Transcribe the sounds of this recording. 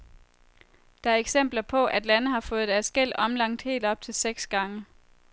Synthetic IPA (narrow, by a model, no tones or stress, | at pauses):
d̥ɑ̈æɐeɡ̥sem̰b̥lɐpʰɒ̽ʔæd̥lænəɦɑ̈fɔ̽ːð̞̩ˠd̥æɐsɡ̥el̰ɒ̽mlɑ̈ŋ̰d̥he̝̰ːld̥ɒ̽b̥̚t͡sʰe̝lseɡ̥sɡ̥ɑ̈ŋə